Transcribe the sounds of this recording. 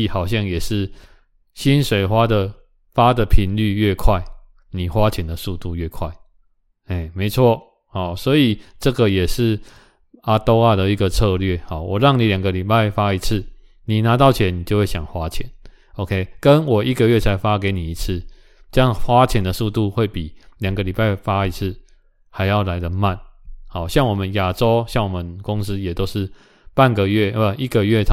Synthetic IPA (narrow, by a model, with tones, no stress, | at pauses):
hɑ˨˩ʊɕjɑ˥˧ŋjɛ˨˩ʂɻ̩˥˩ | ɕi˦nʂwe˨˩ɪxwa˦d̪ə˨ | fa˦d̪ə˨pʰi˧˥nly˥˧ɥɛ˥˧kʰwa˥˩ɪ | ni˨˩xwa˦˥t͡ɕʰjɛ˨˩nd̪ə˨su˥˧t̪u˥˧ɥɛ˥˩kʰwa˥˩ɪ | e˥˩ɪme˧˦ɪt͡sʰwɔ˥˨ | hɔ˨˩swɔ˧˥i˨˩ʈ͡ʂɤ˥˨ɡə˨jɛ˨˩ʂɻ̩˥˩ | a˨˧t̪o˦ʊa˥˧d̪ə˨i˧ɡə˨t͡sʰɤ˥˧lɥɛ˥˨hɔ˨˩wʔɔ˨˩ɻɑ˥˩ŋnĩ˨˦lja˨˩ŋɡə˦li˨˩pa˥˩ɪfa˦i˧t͡s̩ʰ˥˩ | ni˨˩na˨˦t̪ɑ˥˩˨ʊt͡ɕʰjɛ˧˦nni˨˩t͡ɕjo˥˧ʊwe˥˩ɪɕja˨˩ŋxwa˦t͡ɕʰjɛ˨˦n | o˧˦kʰe˦ɪkə˦nwɔ˨˩ʔi˦ɡə˨ɥɛ˥˩t͡sʰa˧ɪfa˦ke˧˥ɪni˨˩i˧˥t͡s̩ʰ˥˩ | ʈ͡ʂə˥˦jɑ˥˨˩ŋxwa˦t͡ɕʰjɛ˨˥nd̪ə˨su˥˧t̪u˥˧xwe˥˩ɪpi˨˩lja˨˩ŋɡə˦li˨˩pa˥˧ɪfa˦˥i˧˥t͡s̩ʰ˥˩˨ | ha˧˥ɪjɑ˥˩ʊla˧˦ɪd̪ə˧˨ma˥˨nha˨˦ɕjɑ˥˩ŋwɔ˨˩mə˨˦nja˨˩ʈ͡ʂo˦ʊɕjɑ˥˩ŋwɔ˨˩mə˨˦nkʊ˦ŋs̩˦jɛ˨˩t̪o˥ʊʂɻ̩˥˨ | pa˥˨nɡə˨ɥɛ˥˩ə˨˩i˥˩ɡə˨ɥɛ˥˩